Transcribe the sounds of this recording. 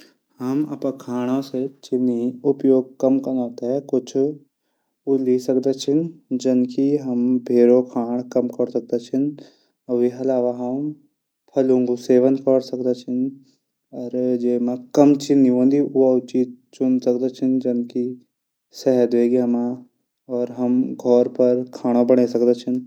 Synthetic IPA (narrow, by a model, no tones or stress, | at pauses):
ɦɐmɐ̰pãkʰaːɽ̃õset͡ʃɪnːiʊpjoːɡ̚kɐmkɐnaːt̪aɦɛkʊt͡ʃʰ | ulisɐkd̪at͡ʃʰɪnd͡ʒɐnkiɦɐmbʱeːɾokʰaːɳ̃kɐmkəɾsɐk̚d̪at͡ʃʰɪn | ʋiɐlaːʋaɦɐm | pʰɐlũŋɡuseːʋənd̪kəɾsɐkd̪at͡ʃʰɪn | ɔːɾd͡ʒeːmẽkɐmt͡ʃʰiniõːnd̪iʔuɐt͡ʃiːzt͡ʃʊnsɐkd̪at͡ʃʰɪnd͡ʒɐnki | sɛɦəd̪ʋeːɡiɐma | ɔːɾɦɐmɡʱɔːɾpɐɾkʰaːɽ̃obəɽ̃esɐkd̪at͡ʃʰɪn